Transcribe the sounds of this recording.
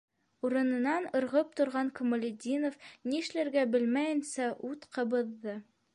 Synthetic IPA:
uɾɤ̆nɤ̆nɑnɤ̆ɾʁɤp̚t̪ŏɾʁɑŋkŏmŏlʲɪd̪ʲinofniɘ̆ʃlæɾɡæbɘlmæjɘ̆nsæʔut̪qɤ̆βɤ̆ðːɤ

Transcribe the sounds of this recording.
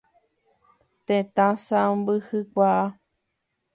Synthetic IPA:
t̪ẽt̪ãsãmbɨhɨkʷaʔa

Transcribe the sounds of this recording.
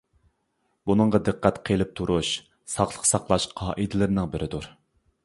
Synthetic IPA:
bunɨŋʁɑd̪ɨqːæt̪qʰelˠɪp̚t̪ʰuɾʔuʃ | sɑχlˠəqsɑqlˠɑʃqʰɑːʔid̪ɪlɪɾnɪŋbɪɾʔɪd̪uɾ

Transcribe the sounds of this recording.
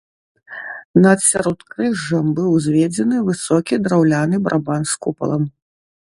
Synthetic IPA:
nɐt̪sʲaɾɔt̪kɾɨʐːɐmbɨwzʲvʲɛd͡zʲɛnɨvɨsɔkʲid̪ɾawlʲanɨbɾʔabanskupɐ̰lˠɐm

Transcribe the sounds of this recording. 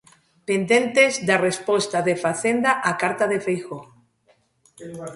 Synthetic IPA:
pend̪ẽnt̪ezd̪arespost̪aðefaθend̪aʔakaɾt̪aðefejxo

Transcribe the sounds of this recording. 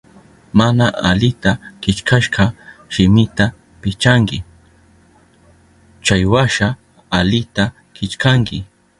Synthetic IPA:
manaʔalɪt̪akɪt͡ʃkʰaʃɢɑʃɪmɪt̪a | pɪt͡ʃaŋkɪ | t͡ʃajwaʃaː | lɪt̪a | kɪt͡ʃkaŋkɪ

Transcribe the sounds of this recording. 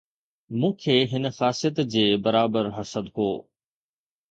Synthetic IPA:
mũːkʰeːɦɪnəxaːsijət̪d͡ʑeːbɐɾaːbəɾɦɐsəd̪ko̰ː

